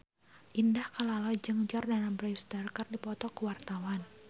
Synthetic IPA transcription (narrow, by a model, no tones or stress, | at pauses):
ʔindahkəlalɔd͡ʒɨŋd͡ʒɔrdanambɾajfst̪arkərdipɔt̪ɔkuwart̪awan